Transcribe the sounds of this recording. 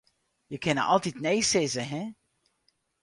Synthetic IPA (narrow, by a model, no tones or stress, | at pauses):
jəkɪnəʔɑ̰lˠtitnejsɪzəɦɛ